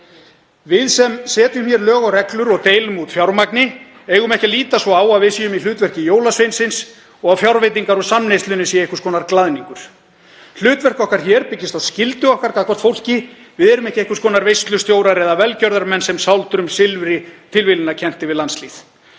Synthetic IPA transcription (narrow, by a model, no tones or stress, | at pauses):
vɪðsɛmsɛːt̪ʏmçjɛɾlœːɣawrɛklʏɾɔɣt̪eːjlʏmut̪fjawɾmaknɪ | eːjɣʏmɛhcɪliːt̪asvɔaːwaðvɪsijʏmil̥ʏːt̪vɛr̥cɪjoːwlasfvejnsɪns | ɔɣaðfjawɾvejt̪̬iŋkaɾɔsamnejst̪lʏnːɪsiaehkʏ̥ɾ̥skʰɔːnaɾklaðniŋkʏɾ̥ | l̥ʏːt̪vɛr̥kɔhkaɾ̥çɛɾpɪcːɪst̪aðscɪlt̪ʏɔhkaɾkʰaðkʰɔ̥t̪fowl̥cɪ | vɪðɛɾʏmɛhcɪehkʏ̥skʰɔːnaɾvejst̪lʏst̪joːwɾaɾɛðavɛlcœɾðaɾmɛnːsɛmsawlt̪ɾʏmsɪlvɪɾɪt̪ʰɪlvɪlʏnacʰɛn̥t̪ɪvɪðlansliːθ